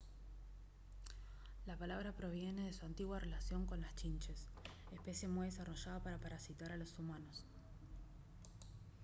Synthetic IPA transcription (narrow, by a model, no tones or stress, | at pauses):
lapalaβ̞ɾapɾo̞βjene̞ðesuant̪iɣwarʔelasjo̞ŋko̞nlast͡ʃint͡ʃesehpesje̞mujðesaro̞ʒaðopaɾapaɾasit̪aɾalo̞sumano̞s